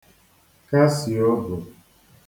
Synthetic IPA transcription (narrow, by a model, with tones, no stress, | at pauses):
ka˦si˨o˦bʊ˨